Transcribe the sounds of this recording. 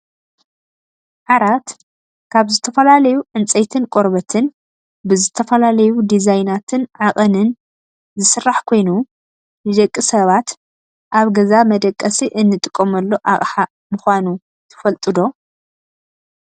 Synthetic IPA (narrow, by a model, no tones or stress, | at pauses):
ʕaɾat̪ | kʰaβzɨt̪ʰɐfɐlalɐjuʕɨnt͡sʼɐjt̪ʰɨnkʼo̞ɾbɐt̪ʰɨn | bɨzɨt̪ʰɐfɐlalɐjud̪izajnat̪ʰɨnʕakʼɐnɨn | zɨsɨrːaħkʰo̞jnu | nɨd̪ɐkʼːisɐβat̪ | ʔaβɡɐzamɐd̪ɐkʼːɐsiʔɨnːɨt̪ʼɨkʼːomɐlːo̞ʔaʔʼħa | mɨxʷanu | t̪ʰɨ̥fɐlt̪ʼɨd̪o̞